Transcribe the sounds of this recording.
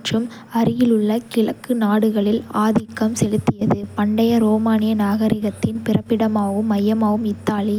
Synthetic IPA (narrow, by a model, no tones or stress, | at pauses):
ʈrɯm | ɐɾɪjɪlɯɭːɐkɪɭɐkːɯnaːɽɯɣɐɭɪlaːðɪkːɐmsɛlɯt̪ːɪjɐðɯpɐɳɖɐjɐɾoːmaːnɪjɐnaːɣɐɾɪɣɐt̪ːɪnpɪrɐpːɪɽɐmaːʋɯmːɐjːɐmaːʋɯmɪt̪ːaːlɪ